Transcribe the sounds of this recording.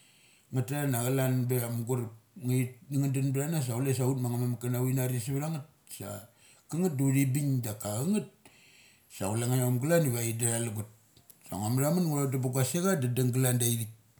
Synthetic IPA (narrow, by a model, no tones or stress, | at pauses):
ŋataanaɣalanbeamɡuɾp̚ŋait̚niŋandanbɾanas̬aules̬autmaŋamamakanawinaɾisiβɾaŋat̚ | sa̰ | kaŋat̚duɾibiɲdakaɣaŋat̚ | sa̰ulaŋajamɡulaniβaidaɾalaɡut̚ | sa̰ŋamɾamanŋuɾatabaɡaseɡadadaŋɡalandaiɾik̚